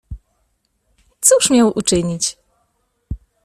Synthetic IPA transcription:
t̪suʂmʲjawʔut͡ʂɘɲit͡ɕ

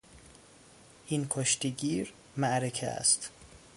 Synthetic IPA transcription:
ʔinkʰoʃt̪eɡiːɾ | mæʔɾekʰeæ̰st̪

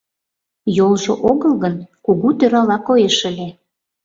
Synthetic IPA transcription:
jolʒoʔoɣəlˠɣənkuɣut̪øɾɑlɑkojeʃə̆lʲe

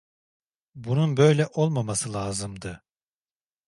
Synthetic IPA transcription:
bununbø̞jlʲɛʔo̞lˠmamasɯlˠaːzɯmd̪ɯ

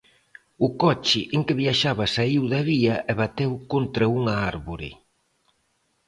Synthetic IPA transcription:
ʊkɔt͡ʃɪʔeŋkɪβiaʃaβɐsaiwðɐβiɐʔɛβat̪ewkont̪ɾɐuŋɐaɾβoɾɪ̰

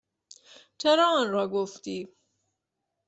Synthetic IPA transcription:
t͡ʃʰeɾɑːnɾɒːɡoft̪iː

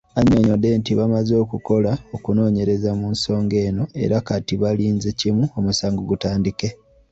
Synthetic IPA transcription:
aɲoɲod̪ːe̞ntiβamazo̞ːkuko̞lao̞kuno̞ːɲe̞ɾe̞zamunso̞ːŋɡe̞ːno̞e̞̰ɾakatiβaliːnzecimuo̞musaːŋɡoɡutaːndike

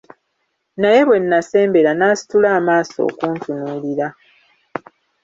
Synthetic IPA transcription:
naje̞βwe̞nːase̞ːmbe̞ɾanaːsi̥tulaːmaːso̞̰ːkuːntʰunuːliɾa

